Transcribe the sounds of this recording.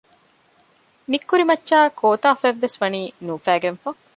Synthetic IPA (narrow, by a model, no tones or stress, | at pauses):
nikːuɾimɐtːʃaːkʰoːt̪aːfæʋːesʋɐniːnuːfæːɡenfɐ